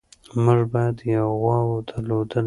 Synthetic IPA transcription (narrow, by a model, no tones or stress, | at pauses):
məʐbɑjad̪jawɣwɑwod̪əɾlod̪əl